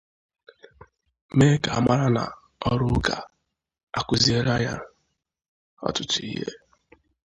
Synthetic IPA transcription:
me˦ka˨a˨ma˦ɾa˦na̰˨ | ɔ˦ɾʊ˦ka˨ | a˨kʷʊ˦zi˦e˦ɾa˦ja˦ | ɔ̰˦tʊ˨tʊ˨i˦ɦḛ˦

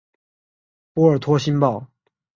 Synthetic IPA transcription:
pu˥ə˞˨˩t̪ʰwɔ˥ɕi˥npɑ˥˩ʊ

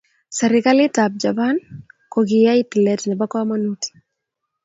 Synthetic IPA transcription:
sɛ˨ɾɪka˦lɪ˦tap̚d͡ʒa˨pa˦nkoɡɪ˨ja˦iti˨lɛ˨tnɛ˨ba˦kɔ˦ma˦nuti̥˨

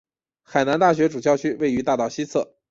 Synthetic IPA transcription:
xa˨˩ɪna˧˥nt̪a˥˩ɕɥɛ˧˥ʈ͡ʂu˨˩ɕjɑ˥˧ʊt͡ɕʰy˥we˥˩ɪy˧˥t̪a˥˧t̪ɑ˥˩ʊɕi˥t͡sʰɤ̰˥˩

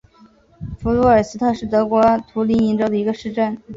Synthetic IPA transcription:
fu˧˥lu˧˥ə˞˨˩sɹ̩˥t̪ʰɤ˥˧ʂɻ̩˥˩t̪ɤ˧˥kwɔ˧˥t̪ʰu˧˥li˧˥ni˧˥nʈ͡ʂo˥d̪ə˨i˧˥ɡə˧ʂɻ̩˥˧ʈ͡ʂa˥˩n

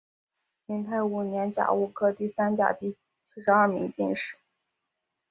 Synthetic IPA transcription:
li˧˥ŋt̪ʰa˥˩ɪu˨˩njɛ˧˥nt͡ɕja̰˨˩ʊu˥˩kʰɤ˥t̪i˥˩sa˥nt͡ɕja̰˨˩ʊt̪i˥˧ | sɹ̩˥˩ʂɻ̩˧˥ɐ˥˩mḭ˧˥ŋt͡ɕi˥˧nʂɻ̩˥˩˦

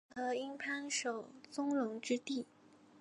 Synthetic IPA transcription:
xɤ˧˥i˥ŋpʰa˥nʂo˨˩ʊt͡sʊ˥ŋlʊ˧˥ŋʈ͡ʂɻ̩˥t̪i˥˩

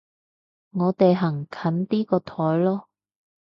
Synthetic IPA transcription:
ŋɔː˨˧t̪e˨jɦɐ˨˩ŋkʰɐ˨˥nt̪iː˥kɔː˧t̪ʰɔː˨˥jlɔː˥

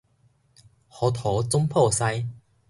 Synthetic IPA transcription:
hɔ˨˦t̪ʰɔ˨˦t͡sʊ˥mpʰɔ˥˨sa˧j

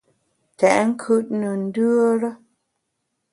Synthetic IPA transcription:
tɛ˨ʔŋ̩˦kʰʉ˦˨t̚nə˨n̩˦dʉ˦ə˦ɾə˦

